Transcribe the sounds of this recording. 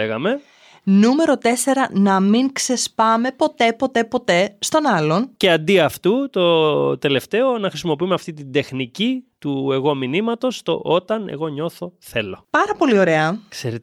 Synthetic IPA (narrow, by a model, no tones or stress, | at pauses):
eɣɐme̞ | nume̞ɾo̞t̪e̞se̞ɾɐnɐmiŋkse̞spɐme̞po̞t̪e̞po̞t̪e̞po̞t̪e̞st̪o̞nɐlo̞nce̞ɐnd̪iɐft̪ut̪o̞t̪e̞le̞ft̪e̞o̞nɐxɾisimo̞piumeɐft̪it̪̬ind̪e̞xnicit̪ue̞ɣo̞minimɐt̪o̞st̪o̞̰ʔot̪ɐne̞̰ɣo̞ɲo̞θo̞θe̞lo̞pɐɾɐpo̞lio̞ɾe̞ɐkseɾe